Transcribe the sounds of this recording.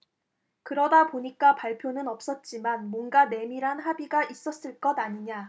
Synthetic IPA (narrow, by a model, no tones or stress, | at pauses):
kɯɾʌdapoɲik͈apaɭpʰjonɯnʌp̚s͈ʌt̚t͡ɕ͈imanmwʌnɡane̞miɾɦanɦabiɡaʔis͈ʌs͈ɯɭk͈ʌdaɲiɲa